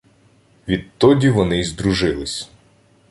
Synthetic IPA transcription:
ʋʲid̪t̪ɔdʲiʋɔnɪzd̪ɾʊʒɪlˠɪsʲ

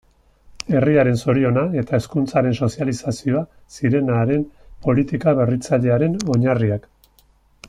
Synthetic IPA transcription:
e̞riaɾe̞nso̞ɾio̞nae̞t̪ae̞skunt͡saɾe̞nso̞sialisasio̞a | siɾe̞naːɾe̞mpo̞lit̪ikaβe̞rit͡saʎe̞aɾe̞no̞ɲariak

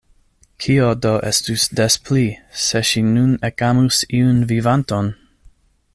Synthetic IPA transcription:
kʰiodoʔḛstusdespʰliseʃinunekamusiunvivanton

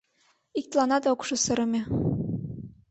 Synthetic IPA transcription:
ik̚t̪lˠɑnɑt̪okʃŏsɤ̆ɾɤ̆mʲe

